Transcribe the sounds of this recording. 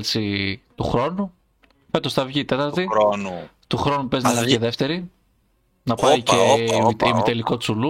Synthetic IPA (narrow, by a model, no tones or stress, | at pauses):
lsit̪uxɾo̞nu | fe̞t̪o̞sθɐvʝit̪e̞t̪ɐɾt̪i | t̪uxɾo̞nupe̞znɐviceðeft̪eɾi | nɐpɐieimit̪eliko̞sulu